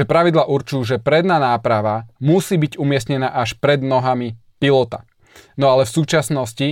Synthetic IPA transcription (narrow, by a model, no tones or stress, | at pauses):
ɛpɾaʋid̪laʔuɾt͡ʃuːʒɛpɾɛd̪naːnaːpɾaʋamusiːbiɟumɪɛst̪ɲɛnaːʔaʃpɾɛd̪nɔɦami | pilɔt̪a̰ | nɔalɛfsuːt͡ʃasnɔsci